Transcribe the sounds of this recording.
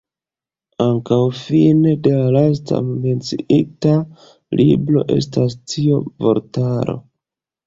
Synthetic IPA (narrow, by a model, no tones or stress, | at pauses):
aŋkawfine̞de̞lalas̬ta̰me̞nt͡siʔita | lʔibɾo̞ʔe̞̰stastʰiovo̞̰ɾtaɾo̞̰